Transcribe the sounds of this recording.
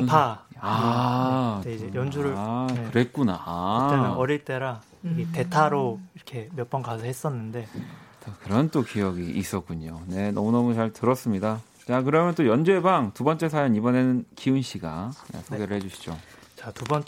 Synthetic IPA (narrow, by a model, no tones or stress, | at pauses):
pʰaa | id͡ʑejʌnd͡ʑuɾɯkɯɾe̞k͈unaeʌɾiɭt͈e̞ɾa | iɡete̞tʰaɾoiɾʌkʰe̞mjʌp͈ʌnɡasʰʌɦhes͈ʌnːɯnde̞t͡ɕakɯɾʌnt͈okijʌɡiʔːs͈ʌk͈uɲone̞nʌmunʌmut͡ɕaɭtɯɾʌs͈ɯmɲida | t͡ɕakɯɾʌmjʌnt͈ojʌnd͡ʑue̞baŋtubʌnt͡ɕ͈e̞sʰajʌŋibʌne̞nɯnkiɯnɕ͈ʰiɡaa̰sʰoɡe̞ɾɯɭhed͡ʑuɕʰi̥d͡ʑot͡ɕatubʌn